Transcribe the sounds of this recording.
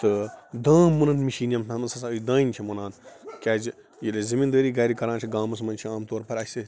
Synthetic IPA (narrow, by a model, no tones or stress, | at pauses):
t̪ɨd̪ãːmunɐnmiʃiːnjɐmt̪ʰɐmɐnsɐsaɨd̪ãːint͡ʃʰimunaːnkʲaːd͡ʒ | jilʲezɐmind̪əːɾiːɡɐːɾikɐɾãːnt͡ʃʰiɡaːmɐsmɐnt͡ʃʰiaːmt̪oːɾpɐɾʲɐse